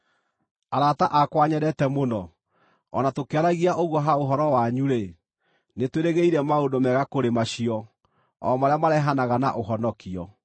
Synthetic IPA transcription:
aɾataʔakwaɲɛɾɛtɛmonɔ | ɔnatokeaɾaɣiaʔoɣwɔɦaoɦɔɾɔwaɲuɾe | netweɾeɣeiɾɛmaondomɛɣakoɾemaɕiɔ | ɔ̰maɾeamaɾɛɦanaɣana̰ʔoɦɔnɔkiɔ

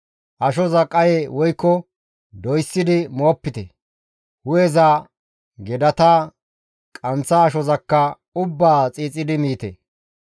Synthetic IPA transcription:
ʔɐʃɔzɐkʼɐjeːwɔjkːɔ | d̪ɔjsːɪd̪ɪmoːpːɪt̪ɛ | hʊjɛza | ɡɛd̪ɐt̪a | kʼɐnt͡sːɐːʃɔzɐkːɐ | ʊbːaːt͡sʼiːt͡sʼːɪd̪ɪmiːt̪ɛ̰

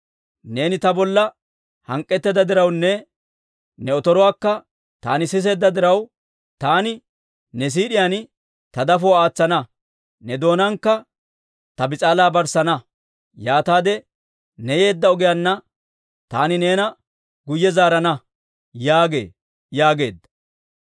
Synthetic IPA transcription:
ne̞ːnɪt̪ɐbɔlːɐ | hɐŋkʼːɛt̪ːɛd̪ɐd̪ɪɾɐwnːɛ | nɛɔt̪ɔɾɔwaːkːɐ | t̪a̰ːnɪsɪs̬e̞ːd̪ːɐd̪ɪɾɐw | t̪aːnɪ | nɛs̬iːɗɪjɐn | t̪ɐd̪ɐfɔwaːt͡sːɐnɐ | nɛd̪o̞ːnɐŋkːɐ | t̪ɐbɪt͡sʼaːlaːbɐɾsɐnɐ | jaːt̪aːd̪ɛ | nɛje̞ːd̪ːɐɔɡɪjanːɐ | t̪a̰ːnɪne̞ːnɐ | ɡʊjːɛzaːɾɐnɐ | jaːɡe̞̰ː | jaːɡe̞̰ːd̪ːɐ

